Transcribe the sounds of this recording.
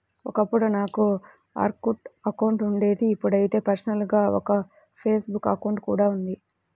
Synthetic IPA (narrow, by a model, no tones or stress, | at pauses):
ɔkɐpːuɽunaːku | a̰ːɾkuʈɐkɐwuɳʈuɳɖe̞ːd̪iːpːuɽɐjit̪e̞ːpɐɾsɐnɐlɡaːɔ̰kɐ | pʰe̞ːsbukːɐkɐwɳʈkuːɽaːund̪i